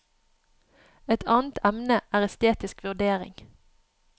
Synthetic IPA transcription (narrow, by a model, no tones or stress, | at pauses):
ɛt̪ʰɑːnt̪ʰæmnəʔæːʁɛst̪eːt̪ɪskʋʉʁd̪eːʁɪ̰ŋ